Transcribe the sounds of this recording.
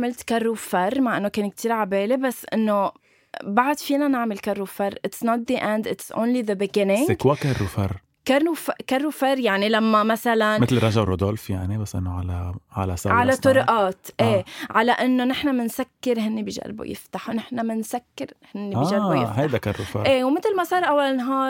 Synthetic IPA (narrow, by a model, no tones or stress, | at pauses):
amɪlt̪karˤːufɑrˤmaʕʔɪnːokeːnk̚t̪ʰiːɾʕabeːlebasːʔɪnːo | baʕd̪fiːnanaʕmɪlkarˤːufɑrˤːʔɪt̪snɑt̪̚ðiʔɛ̃nd̪ɪtsʔõ̰ːnliðəbɪɡɪnɪ̃ŋɡwakarˤːufɑr | karufkarˤːufɑɾˤjaʕnilamːamasalanmɪt̪lɾˤɑʒawɾod̪olfjaʕnibasːʔɪ̰nːoʕalaʕa̰lasɑʕalat̪ːˤʊɾʔaːt̪ʔeːʕalaʔɪnːonɪħnamɪnsakːɪɾɦɪnːibiʒa̰lbṵjɪ̰ft̪aħunɪħnamɪnsakːɪɾhɪnːibaiʒaɾbujɪhad̪akarˤːufɑ̰ɾʔeːwmɪt̪lmasˤɑːɾˤʔawːalnɦɑːɾ